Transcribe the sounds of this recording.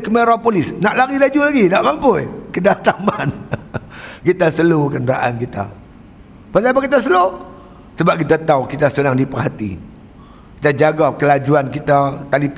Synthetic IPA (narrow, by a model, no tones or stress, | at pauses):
kəmeɾapolɪsnaʔlaɡilad͡ʒulaɡinaʔmampʊjkədat̪aman | kit̪asəlukənraʔa̰nkit̪a̰ | pasabakit̪̬as̬əlo | səbap̚kit̪at̪awkit̪asənaŋdipərɦat̪ḭ | ki̥t̪ad͡ʒaɡakəlad͡ʒuankit̪at̪alip